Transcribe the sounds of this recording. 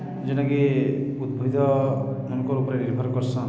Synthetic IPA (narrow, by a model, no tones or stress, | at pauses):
d͡ʒenakiud̪bʱid̪ʱɔmɔnkɔɾupɾeniɾbʱɔɾkɔɾsɔ̃